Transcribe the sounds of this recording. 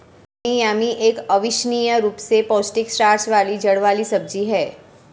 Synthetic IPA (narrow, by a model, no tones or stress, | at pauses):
ijamiʔekəʋiʃnijəɾupsepɔsʈikʃɾaɾsʋalid͡ʒəɽʋalisəb̚d͡ʒiɦɛ